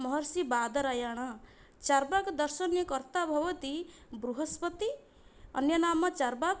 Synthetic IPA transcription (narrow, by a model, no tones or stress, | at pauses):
mʌɦʌɾsibad̪ʌɾajaɽ̃ʌ | t͡ʃaɾbakd̪ʌɾsʌnjʌkʌɾt̪abʱʌbʌt̪ibɾuɦʌspʌt̪i | ʌ̰njʌnamːat͡ʃaɾbak